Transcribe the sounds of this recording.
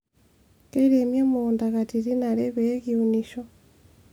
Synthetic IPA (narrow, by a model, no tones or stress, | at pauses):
keiɾemjamondaɣatiɾinaɾeβeeɣiuniʃo